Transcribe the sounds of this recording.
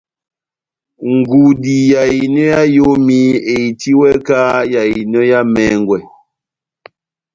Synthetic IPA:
ŋ̩˨ɡu˨di˨ja˨i˨nɔ˦ja˦jo˦mi˦e˨i˨ti˦wɛ˦kaː˦ja˨i˨nɔ˦ja˦mɛ˦ŋɡwɛ˨

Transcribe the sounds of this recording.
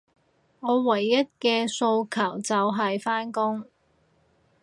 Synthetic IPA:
ŋɔː˨˧wɐ˨˩jːɐ˥t̚kɛː˧so˧wkʰɐ˨˩wt͡sɐ˨wɦɐ˨jfaː˥nkʊ˥ŋ

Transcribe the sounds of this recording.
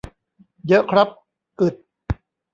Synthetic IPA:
jɤ˦˥ʔkʰɾa˦˥p̚ | ʔɯ˨˩t̪̚

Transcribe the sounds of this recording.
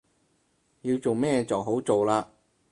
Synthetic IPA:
jiː˧wt͡so˨wmɛː˥t͡sɐ˨wɦo˨˥wt͡so˨wlaː˧

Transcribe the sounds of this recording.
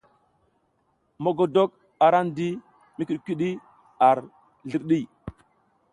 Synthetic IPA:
mo˨ɡo˨do˦k̚ | a˨ɾa˦n˦di˦ | mi˦ki˨ɗkʷi˦ɗi˦ | a˨ɾ | ɮi˨ɾɗi˦˨

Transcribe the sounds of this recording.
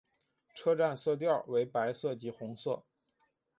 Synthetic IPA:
ʈ͡ʂʰɤ˥ʈ͡ʂa˥˧nsɤ˥˧t̪̬jɑ˥˩ʊwe˧˥ɪpa˧˥ɪsɤ˥˩t͡ɕi˧˥xʊ˧˥ŋsɤ˥˩

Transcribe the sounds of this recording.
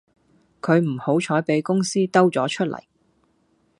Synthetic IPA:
kʰɵ˨˧ɥm̩˨˩ho˨˥wt͡ʃʰɔː˨˥jpe˨˥jkʊ˥ŋsiː˥t̪ɐ˥wt͡sɔː˨˥t͡ʃʰɵ˥t̚lʔɐ̰˨˩j

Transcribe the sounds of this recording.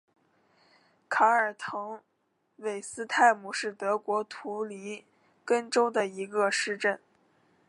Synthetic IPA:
kʰa˧˥ə˞˨˩t̪ʰɤ˧˥ŋ | we˨˩ɪsɹ̩˥t̪ʰa˥˩ɪmu˨˩ʂɻ̩˥˩t̪ɤ˧˥kwɔ˧˥t̪ʰu˧˥li˧˥ | kə˥nʈ͡ʂo˥ʊd̪ə˨i˧˥ɡə˧ʂɻ̩˥˧ʈ͡ʂə˥˩n

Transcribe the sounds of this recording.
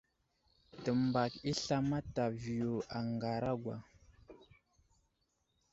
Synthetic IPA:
tə˨mba˨ki˦ɬa˦ma˦ta˨vi˨ju˨a˨ŋɡa˨ɾa˦ɡʷwa̰˨

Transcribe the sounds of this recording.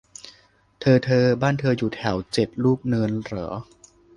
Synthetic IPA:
t̪ʰɤː˧t̪ʰɤː˧baː˥˩nt̪ʰɤː˧juː˨˩t̪ʰɛ˩˦wt͡ɕe˨˩t̪̚luː˥˩k̚nɯː˧nɾɤ˩˦

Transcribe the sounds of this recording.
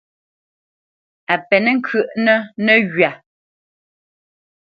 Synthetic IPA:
a˨pɛ˨nɛ˦ŋ̩˦kʰɥə˦˨ʔnə˦nə˦˨ɣɥa˨

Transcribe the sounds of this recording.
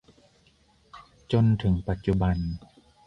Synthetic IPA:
t͡ɕo˧nt̪ʰɯ˩˦ŋpa˨˩t̪̚t͡ɕu˧ba˧n

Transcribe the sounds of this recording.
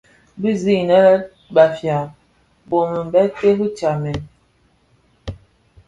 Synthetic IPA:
bi˦zi˦˨nə˦la˦ | ba˨fja˨ | bo˨mə˨m˨bɛ˦te˦ɦu˦t͡ʃa˨mɛ˨n

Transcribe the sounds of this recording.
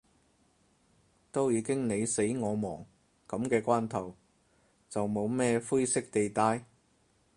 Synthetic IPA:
t̪o˥wjiː˨˧kɪ˥ŋne˨˧jse˨˥jŋɔː˨˧mɔː˨˩ŋ | kɐ˨˥mkɛː˧kʷaː˥nt̪ʰɐ˨˩w | t͡sɐ˨wmo˨˧wmɛː˥˧fu˥jsɪ˥k̚t̪e˨jt̪aː˧j

